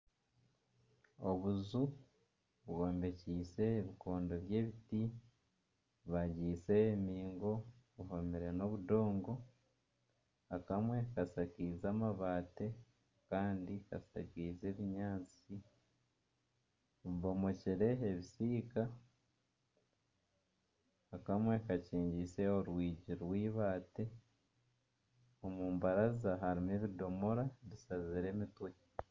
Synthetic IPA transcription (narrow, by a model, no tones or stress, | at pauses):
o̰βuzu | βɡoːmbe̞ciːse̞ːβiko̞ːndo̞βje̞ːβiti | βaɟiːse̞ːmiːŋɡo̞βuɦomiɾe̞no̞βudo̞ːŋɡo̞ | akamwe̞kasakiːzamaβaːte̞ | kaːndika̰sa̰kiːze̞ːβiɲaːt͡si | oβiβo̞mo̞ciɾe̞ːβisiːka | akamwe̞kaciːɲɟise̞oɾwiːɟiɾwiːβaːte̞ | omuːmbaɾazaɦaɾimeβido̞mo̞ɾaβisaziɾe̞ːmitwe